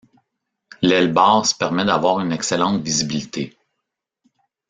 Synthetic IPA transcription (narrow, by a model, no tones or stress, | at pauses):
lɛlbɑːʁsə̥pɛʁmɛd̪avwaːʁynɛksɛlɑ̃t̪vizibilit̪ʰe